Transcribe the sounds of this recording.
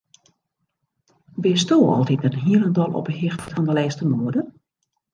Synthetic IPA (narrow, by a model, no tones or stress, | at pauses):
ʋɪstoːɔ̰lˠtit̚dənɦiələndɔlˠʔɔ̰pəhɪxttfɔndəlɛːstəmuədə